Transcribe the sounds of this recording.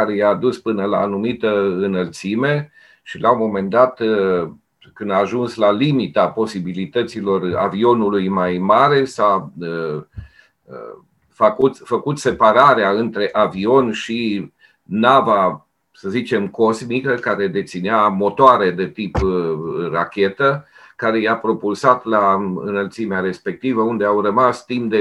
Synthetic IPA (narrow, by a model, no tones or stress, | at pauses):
aɾe̞jaːd̪uspɨnəla̰ːnumit̪əɨnəlt̪sime̞ | ʃilʔaomo̞me̞nd̪at̪ | kɨnd̪aːʒunslalimit̪apo̞sibilit̪ət̪silo̞ra̰vio̞nulujmajmaɾesaə | fakut̪fəkut̪se̞paɾaɾeaɨnt̪ɾe̞ʔavio̞nʃi | nava | səzit͡ʃe̞mko̞zmikəkaɾe̞d̪e̞t̪sineamo̞t̪oaɾe̞d̪e̞t̪ip | rakʲe̞t̪ə | kaɾe̞japɾo̞pulsat̪laɨ̰nəlt̪simeaɾe̞spe̞k̚t̪ivəund̪e̞awrəmast̪impd̪e